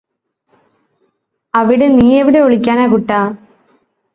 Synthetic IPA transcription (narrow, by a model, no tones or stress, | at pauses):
ɐʋiɽe̞niːeʋiɽe̞oɭikʲːaːnaːkuʈːaː